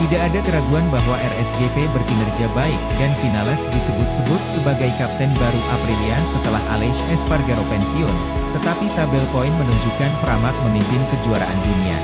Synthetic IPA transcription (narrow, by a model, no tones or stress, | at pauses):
t̪idaʔːdakəɾaɡuanbaɦwaʔɛrɛsɡet̪ebərɡinərd͡ʒabaɪk̚danfinalɛsdisəbʊt̪̚səbʊt̪̚səbaɡajkap̚t̪ɛnbaɾuʔapɾiliasət̪əlaɦa̰lɛʃɛsparɡaɾopɛnsiʊn | t̪ət̪apit̪abɛlpoinmənuɲd͡ʒukanpəɾamat̪̚məmimpɪnkəd͡ʒuaɾa̰ʔa̰ndunia̰